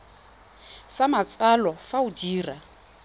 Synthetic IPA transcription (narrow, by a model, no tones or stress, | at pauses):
samat͡sʼwalɔfaud͡ʒiːra